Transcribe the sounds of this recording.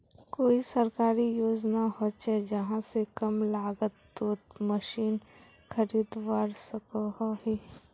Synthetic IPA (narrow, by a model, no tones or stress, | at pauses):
koːisɐɾkaːɾijoːd͡ʒnaɦot͡ʃɛd͡ʒɐɦãsekɐmlaːɡət̪ːoːt̪məʃiːn | xʰɐɾiːd̪ʋaːɾsəkoɦoɦiː